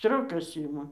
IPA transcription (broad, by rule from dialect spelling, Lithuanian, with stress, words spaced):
ˈsʲtʲrʲoːkɐs ˈɪmɐ